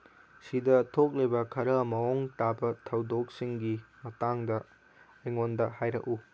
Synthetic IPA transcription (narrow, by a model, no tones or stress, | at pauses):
sidɐtʰok̚lejbɐkʰɐɾɐmɐoŋtabɐtʰɐwdok̚siŋɡimɐtaŋdɐ | ɐjŋondɐhajɾɐ̰ku